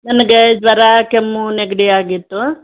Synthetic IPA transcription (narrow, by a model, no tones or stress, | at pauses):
nɐnɐɡed͡ʒʋɐɾaːkemːuneɡɐɽiaːɡit̪ːu